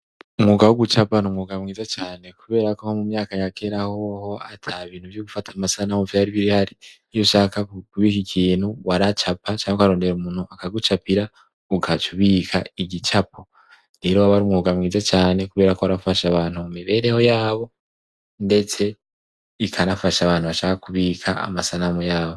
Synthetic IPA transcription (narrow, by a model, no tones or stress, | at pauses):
umŋuːɡawuɡut͡ʃapanumŋuːɡamŋiːzat͡ʃaːne̞kuβe̞ːɾakohomumɲaːkajake̞ɾaho̞ho̞atʰaβiːn̥huvjoɡufatʰamasanauvjaɾiβiɾihaɾi | ijoʃaːkakuβikicʰiːnhuwaɾat͡ʃapʰat͡ʃaːɲekoaɾo̞ːnde̞ɾumunhuakaɡut͡ʃapiɾa | uɡʰat͡ʃuβiːkʰaiɟit͡ʃapʰo | ɾe̞ɾoaβaɾumŋuːɡamŋiːzat͡ʃaːne̞kuβe̞ːɾakoaɾafaʃaβaːnhumumiβe̞ːɾe̞ho̞jaːβo̞ | nde̞t͡se̞ | ikʰanafaʃaβaːn̥huβaʃaːkakuβikʰa̰a̰masanamujaːβo̞